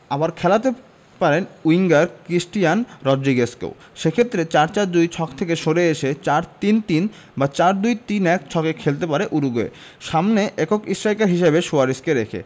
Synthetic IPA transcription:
abaɾkʰɛlat̪e | paɾenuiŋɡaɾkɾisʈijanɾɔdɾiɡeskḛw | ʃekʰet̪ːɾet͡ɕaɾt͡ɕaɾd̪ujt͡ɕʰɔkt̪ʰekeʃoɾeeʃet͡ɕaɾt̪int̪in | bat͡ɕaɾd̪ujt̪inɛk̚t͡ɕʰɔkekʰelt̪epaɾeʔuɾuɡoḛ | ʃamneʔɛkokisɾajkaɾɦiʃebeʃuaɾiskeɾekʰḛ

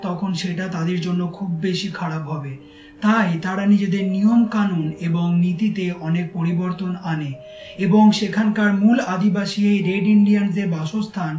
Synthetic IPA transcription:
t̪ɔkʰonʃeʈat̪ad̪eɾd͡ʑonːokʰubːeʃikʰaɽapɦɔbe | t̪ajt̪aɾanid͡ʑed̪eɾniomkanuneboŋnit̪it̪eɔnek̚poɾiboɾt̪onane | eboŋʃekʰankaɾmulad̪ibaʃieɾeɖiɳɖianseɾbaʃost̪ʰan

